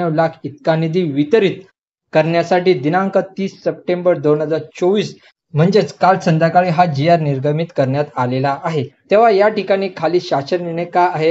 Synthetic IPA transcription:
əʋlakʰit̪kanid̪iːʋit̪əɾiːt̪ | kəɾɳjasaʈiːd̪inaəŋkət̪iːsːəp̚ʈembəɾd̪oɳ̤ɦəd͡zaɾt͡soʋiːs | m̤əɳd͡zet͡skalsənd̪jakaɭiːɦad͡ʑijaɾniɾɡʱəmit̪kəɾɳjat̪alelaʔaɦet̪eʋ̤ajaʈikaɽ̃iːkʰaliːɕasəɾniɽ̃ekaaɦe

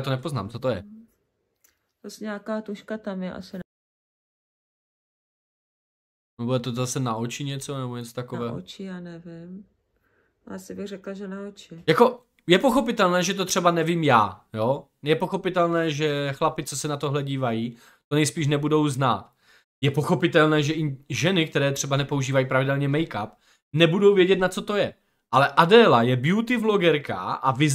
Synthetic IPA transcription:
at̪onɛpo̞zna̰ːmt͡sot̪ojɛ̰ | asɲaːkaːt̪uʃkat̪amjɛʔa̰sɪn | nobudɛt̪ozasɛnaʔot͡ʃɪɲɛt͡so̞nɛboɲɛt͡sot̪akovɛːɦot͡ʃɪjaːnɛvɪm | asɪbɪɣrɛklaʒɛnaot͡ʃɪjako̞ | jɛpo̞xo̞pɪt̪ɛlnɛːʒɛt̪ot̪r̝̥ɛbanɛvimjaːjo | jɛpoxo̞pɪt̪ɛlnɛːʒɛxlapɪt͡sɛsɛnat̪oɦlɛɟiːvajiː | t̪o̞nɛjspiːʃ̬nɛbudo̞wzna̰ːt̪ | jɛpo̞xo̞pɪt̪ɛlnɛːʒɛʔɪʒɛnɪk̚t̪ɛɾɛːt̪r̥ɛbanɛpo̞uʒiːvajiːpɾavɪdɛlɲɛmɛjkap | nɛbudo̞wvjɛɟɛt̪nat͡so̞t̪o̞jɛ | ʔalɛʔadɛːlajɛbɪjut̪ɪvlo̞ɡɛɾka̰ʔavɪz

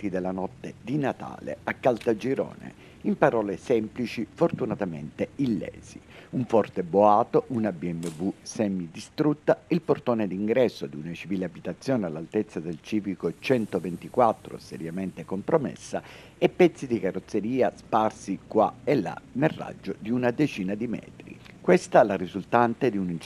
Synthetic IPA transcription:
t̪id̪elanɔt̪ːed̪inat̪a̰ːlḛakːalt̪ad͡ʒiɾɔ̰ːnḛ | impaɾɔːlesɛmplit͡ʃifort̪unat̪amḛnt̪eilːɛ̰ːz̥ḭuɱfɔrt̪eboaːt̪oʔunabiɛmːevusɛmːid̪ist̪ɾut̪ːailport̪oːned̪iŋɡɾɛsːod̪unat͡ʃiviːleabit̪at̪sːjoːnealːalt̪et̪sːad̪elt͡ʃiːvikot͡ʃɛnt̪ovent̪ikwat̪ːɾo̰seɾjament̪ekompɾomḛsːa | epːɛt̪sːid̪ikarːot̪sːeɾiːasparsikwa̰elːa̰nerrːa̰d͡ʒːod̪iunad̪et͡ʃiːnad̪imɛ̰ːt̪ɾḭkwest̪alarizult̪ant̪ed̪iunin

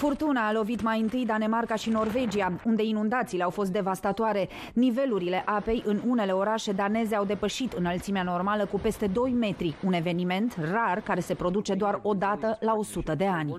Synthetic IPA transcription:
furt̪unaːlo̞vit̪majɨnt̪ɨjd̪ane̞markaʃino̞rve̞d͡ʒiaund̪e̞inund̪at̪siːle̞awfo̞s̬t̪d̪e̞vast̪at̪oaɾe̞ | nive̞luɾile̞ʔape̞jʔɨnune̞le̞o̞ɾaʃe̞d̪ane̞ze̞awd̪e̞pəʃit̪ɨnəlt̪simeano̞rmaləkupe̞st̪e̞d̪o̞jme̞t̪ɾiune̞ve̞nime̞nt̪rarkaɾe̞se̞pɾo̞d̪ut͡ʃe̞d̪oaro̞d̪at̪əlao̞sut̪əd̪e̞anʲ

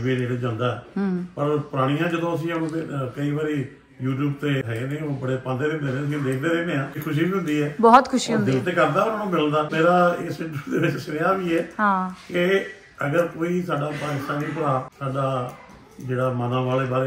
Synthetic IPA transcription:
ʋeːneːɽed͡ʒãːnd̪aːɛːpəɾpʊɾaːɽ̃ijãːd͡ʒəd̪õːəs̬ĩːənũːekəiːbaːɾiː | juːʈ̬juːbt̪eːɦɛẽːnẽːobəɽeːpãːnd̪eːd̪eːkʰd̪eːnẽːəs̬ĩːd̪eːk̚ʰd̪eːd̪eːkʰneːãːkʰʊʃ̬iːbiːɦʊ̃nd̪iːɛːbɔːt̪kʰʊʃiːɦʊ̃nd̪eːt̪eːkəɾd̪aːʊnãːnũːmɪləd̪aːmeːɾaːɪsɪ̃ɳʈɾuːd̪eːʋɪt͡ʃsɪnːaːbiːɛːɦãːkɪ | əɡəɾkoːiːsaːɖaːpãːɪsãːniːpəɾaːsaːɖaː | d͡ʒeːɽaːmənãːʋaːleːbaːɾeː

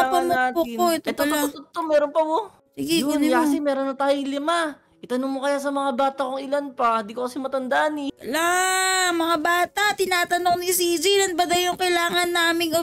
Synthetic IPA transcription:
ɐmʊaːtoɪoɛt̪ɛt̪oot̪ot̪omɛːɾonpɐbo | siɡɪɡɛnjakɐsɛmɛːɾo̞nːɐt̪aːjoŋlɪma | ʔɪt̪ɐnoŋmokɐjasɐmɐŋabaːt̪ɐkoŋɪlanpand̪iːkokɐsɛmɐt̪ɐnd̪ɐʔanɪlamɐŋabaːt̪ɐt̪ɪnaːt̪ɐnoŋnisid͡ʒilɐnbɐd̪ɐjoŋkɐlaːŋɐnːaːmɪŋɐ

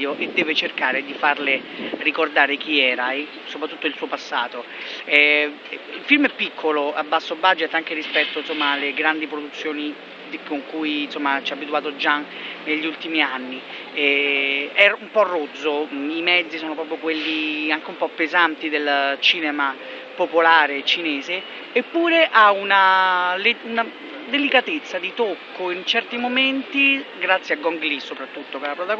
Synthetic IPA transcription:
oʔed̪ːɛːvet͡ʃerkaːɾed̪ifarlerikord̪aːɾek̟iɛːɾa | sopɾat̪ːut̪ːoilsuːopasːaːt̪oɛ | ilfilmɛpːikʰːoloabːasːobad͡ʒet̪ːaŋk̟eɾispɛt̪ːoinsomːalːeɡɾand̪ipɾod̪ut̪sːjoːni | koŋkujnsomːat͡ʃɛabit̪uaːt̪od͡ʒa | neʎːiult̪imianːi | ɛ | ɛumpɔrːod̪zːoimɛd̪zːisɔːnop̬ɾɔpɾjokwelːiaŋk̟eumpɔpːezant̪id̪elt͡ʃiːnɛma | popolaːɾet͡ʃinɛːzeː | pːuːɾeʔaunaleuna | d̪elikat̪et̪sːad̪it̪okːoint͡ʃɛrt̪imoment̪iɡɾat̪sːjiaɡɔŋɡlisːopɾat̪ːut̪ːokalːapɾot̪a

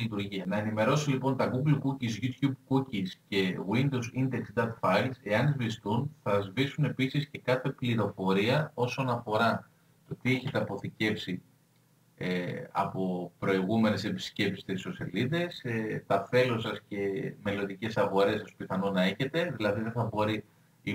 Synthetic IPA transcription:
lit̪uɾʝiɐnɐe̞nime̞ɾo̞silipo̞nt̪ɐɡuɡlukucizʝut̪çub̚kucisce̞ɣwind̪owzind̪ekst̪d̪ɐt̪fɐjlse̞ɐnizvist̪unθɐzvisune̞pisisce̞kɐθe̞pliɾo̞fo̞ɾiɐo̞so̞nɐfo̞ɾɐ | t̪o̞t̪ie̞çe̞t̪e̞ɐpo̞θice̞fsi | eɐ̰po̞pɾo̞iɣume̞ne̞se̞pi̥sce̞psi̥st̪iso̞siɐliðe̞set̪ɐfe̞losɐsce̞me̞lo̞nd̪ice̞sɐɣo̞ɾe̞sɐspiθɐno̞nɐe̞çe̞t̪e̞ðilɐðiðeθɐbo̞ɾi | i

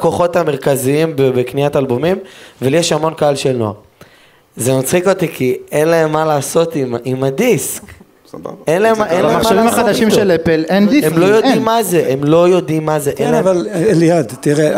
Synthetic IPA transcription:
ko̞χo̞tameʁkaziimbebekniatalbomimveljeʃamo̞nkaalʃelnoa̰ʁ | zemat͡sχikot̪ikienlaemːalaːso̞t̪imimad̪isk | sba̰benlaemaʔenlaemmamaad̪aʃimelepelendiemlojodimːazeʔemlo̞jo̞d̪imːazeʔenlevallejad̪t̪iʁe

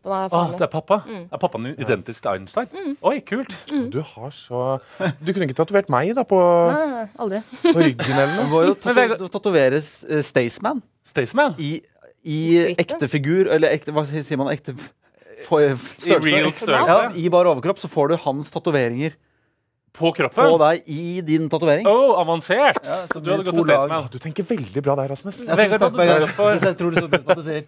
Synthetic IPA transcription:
ɔd̪ɛæɾpʰɑpːɑd̪æɾpʰɑpːɑnɪd̪ɛnt̪ɪsk̚t̪ɪɑ̰ɪənst̪ɑɪnʔɔjkʰʉːlt̪d̪ʉhɑʂɔ | d̪ʉkʰʉnːɪkːət̪ʰɑt̪ʉʋeːʈmæɪd̪ɑpʰɔ | d̪ɪpɾʏɡːənɛlːəɳɛmɑɾjʊd̪t̪ʰɑt̪ʉʋeːɾəst̪eɪsmæn | st̪eɪsmænɪ | ɪɛkt̪əfɪɡʉːɾɛlːəɾɛkt̪əʋɑsiːəɾmɑnɛk̚t̪ə | fɔsœlsøjɑːɪbɑːɾəoːʋəɾkɾɔpːsɔfoːɖʉhɑnst̪ʰɑt̪ʉʋeːɾɪŋəɾ | pʰɔkʰɾɔpːəɔd̪æɪʔɪd̪ɪnt̪ʰɑt̪ʉʋeːɾɪŋoɑʋɑnseːʈɑsɔd̪hɑdd̪ːəɡ̪ɔtʰuːlnd̪ʉt̪ʰɛŋkəʋɛld̪ɪbɾɑːd̪æɾɑsmɛsæɛɑk̪ɛɡɑɔt̪ʰɾuːɖsɔd̪siːəɾ

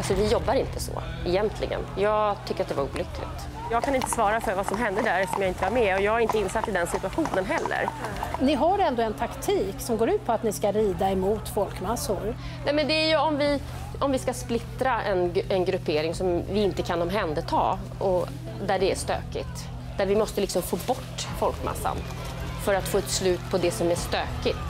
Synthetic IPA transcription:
alsɔvɪjɔbːaɾɪnt̪ʰəsɔ̰ | ɛjɛnt̪ʰlɪ̰ɡə̰njɑːɡt̪ʰʏkːəɾat̪̚d̪ɛvaɾṵːlʏkʰlɪ̰ɡt̪ | jɑːɡkʰanɪnt̪əsvɑːɾafœɾvasɔmɦɛnd̪əd̪æɾɛtsɔmjaɪnt̪əvaɾmɛɔjɑːɡhaɾɪnt̪əɪnːsat̪ːɪd̪ɛnsɪt̪ɵaɧuːnənɦɛlːə̰ɾnɪɦaɾɛnd̪oɛnt̪ʰakt̪ʰiːksɔmɡoːɾʉ̟ːt̪̚pʰɔat̪nɪskaɾiːd̪aɛmuːt̪fɔlkmasːʊɾ | nɛmɛnd̪ɛæɾjɵɔmvɪ | ɔmvɪskasplɪt̪ɾaɛnɛnɡɾɵpʰːeːɾɪŋsɔmvɪɪnt̪əkʰanɔmɦɛnd̪ət̪ʰɑ̰ː | ʔɔ | d̪æɖɛæʂt̪ø̰ːkɪ̰t̪ | d̪̥æɾvɪmɔst̪əlɪksɔmfoːbɔʈːfɔlkmʔa̰sːa̰n | fœɾat̪foːɛt̪slʉ̟ːt̪pʰɔd̪ɛsɔmæʂt̪øːkɪt̪

